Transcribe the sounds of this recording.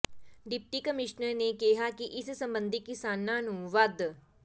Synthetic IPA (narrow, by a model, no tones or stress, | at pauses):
ɖɪp̚ʈiːkəmɪʃnəɾneːkɪɦakiʔɪssə̃mbə̃nd̪ʱɪkːɪsaːnːãːnũːʋəd̪